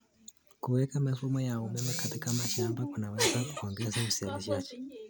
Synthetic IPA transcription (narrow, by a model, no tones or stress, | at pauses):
kuwekamafumojaumemakatikamaʃaːmbakunaβazakukoːŋɡesaβusiaβiʃaːt͡ʃe̥